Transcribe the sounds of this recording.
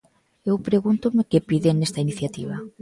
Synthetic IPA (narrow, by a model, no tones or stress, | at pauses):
ewpɾeɣunt̪ʊmɪkepiðeŋnest̪ainiθjat̪iβ̞a